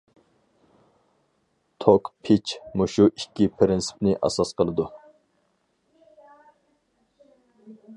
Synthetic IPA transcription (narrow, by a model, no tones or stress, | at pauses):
t̪ʰokpʰit͡ʃmuʃuʔikʲːipʰɾɪnsɪ̥pnɪʔɑ̰sɑsqəlˠɨd̪u